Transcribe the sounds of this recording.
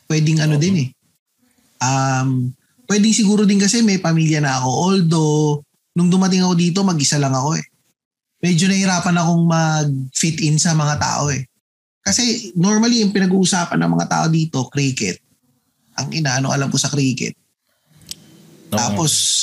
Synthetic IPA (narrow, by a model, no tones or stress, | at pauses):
pwɛːd̪ɪŋɐnod̪ɪnɛ | ʔam | pwɛːd̪ɪŋsɪɡuːɾod̪ɪnkɐsɛmɛjpɐmiːljɐnɐɐko̞ʔold̪o̞ | nʊŋd̪ʊmɐt̪̬ɪŋɐko̞d̪iːt̪̬o̞mɐɡʔɪsalɐŋɐko̞ɛ | mɛd͡ʒo̞nɐhɪɾaːpɐnɐko̞ŋmɐɡ̚fit̪̚ʔɪnsɐmɐŋat̪a̰ːʔo̞ɛ | kɐsɛno̞ɹmɐlijʊŋpɪnɐɡuːʔʊsaːpɐ̰nːɐ̰ŋmɐ̰ŋa̰t̪a̰ːʔo̞d̪iːt̪o̞kɾiːkɛ̰t̪̚ | ʔɐŋʔɪnaʔɐno̰ʔɐlamko̞sɐkɾiːkɛ̰t̪̚ | aːpo̞s